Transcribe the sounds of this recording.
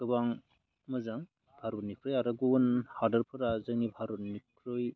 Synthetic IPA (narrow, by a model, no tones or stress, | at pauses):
ɡɯbaŋ | mɯzaŋ | bʱaɾunikʰɾɯjaɾaɡunhaɾdɐɾpʰɯɾazɯŋibʱaɾunikʰɾɯj